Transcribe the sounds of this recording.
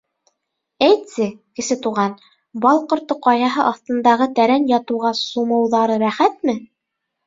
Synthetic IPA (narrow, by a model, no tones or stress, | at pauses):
æjt̪sɘkɘ̆sɘt̪uʁɑn | bɑlˠqŏɾt̪ːɤqɑjɑɦɤʔɑθt̪ɤ̆nd̪ɑʁɤt̪æɾænjɑt̪ɤ̆wʁɑsumɤ̆wðɑɾɤɾæχæt̪mɘ